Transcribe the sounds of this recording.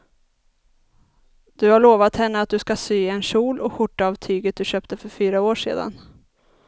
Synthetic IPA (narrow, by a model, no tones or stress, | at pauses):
d̪̥ɵhaɭoːvat̪hɛnːəat̪̚d̪ɵskasyːɛnʂuːlɔɧʊʈːaːvt̪ʰyːɡət̪̚d̪ɵɕøːpt̪əfœɾfyːɾaoːʂḛːd̪a̰n